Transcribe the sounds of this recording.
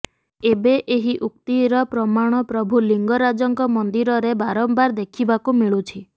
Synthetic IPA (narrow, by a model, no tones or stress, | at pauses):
ebeʔeɦiʔukt̪iɾɔpɾɔmaɽ̃ɔpɾɔbʱuliŋɡɔɾad͡ʒɔŋkɔmɔnd̪iɾɔɾebaɾɔmbaɾd̪ekʰibakumiɭut͡ʃʰi